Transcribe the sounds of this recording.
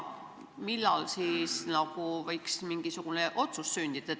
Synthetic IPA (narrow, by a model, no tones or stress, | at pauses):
milːɑlsiːsnɑkuvɤjksmiŋɡ̥isuɡ̥uneʔo̞t̪susːynd̪̥id̪̥ɑe